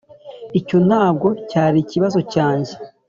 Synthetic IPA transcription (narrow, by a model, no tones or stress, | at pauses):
ico̞n̥haːb̚ɡo̞caːɾiciβazo̞caːɲɟe̞